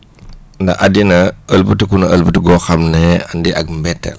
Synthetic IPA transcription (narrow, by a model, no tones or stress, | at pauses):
ndɐ̰ʔɐadinɐəlbətikunɐəlbətiɡɔxɐmnɛɐndiʔɐɡmbɛtːɛ̰l